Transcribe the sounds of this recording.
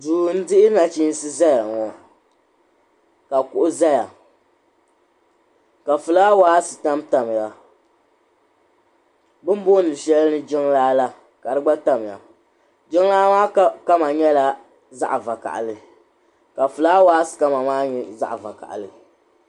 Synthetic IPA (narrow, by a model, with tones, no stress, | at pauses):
duː˨n̩˦dɪ˦ʔɪ˦na˨t͡ʃi˦n˦sɨ˦za˦ja˨ŋɔ˨ | ka˨kʊ˦ʔʊ˦za˦ja˨ | ka˨fɨ˨laː˦waː˦sɨ˨ta˦mta˨m˨ja˨ | bɨ˦m˦bo˦nɨ˨ʃɛ˦lnɨ˦d͡ʒɪ˦ŋlaː˦la˦ | ka˨ɾɨ˦ɡ͡ba˦ta˦m˨ja̰˨ | d͡ʒɪ˦ŋ˦laː˦maː˦kka˦ma˨ɲɛ˦la˦ | za̰˦ʔa˨va˨ka̰˨ʔlɨ˨ | ka˨fɨ˨laː˦waː˦sɨ̥˨ka˦ma˨maː˦ɲɛ˨za̰˦ʔva̰˨ka̰˨ʔlɨ˨